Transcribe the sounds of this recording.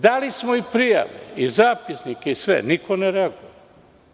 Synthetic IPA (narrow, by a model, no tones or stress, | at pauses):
d̪alismoipɾija̰ʋḛizaːpisnikeisʋḛnikʰoneɾeaɡujee